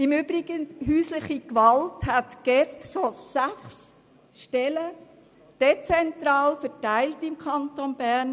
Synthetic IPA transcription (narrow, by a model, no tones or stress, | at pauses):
ɪmyːbɾɪɡ̥ənɦyːslɪχikʋɑlthætɡ̥ɛfʃosæχs | ʃtɛlə | d̥ɛt͡sɛntɾɑːlfətæɪltɪmkʰɑntonbæɾn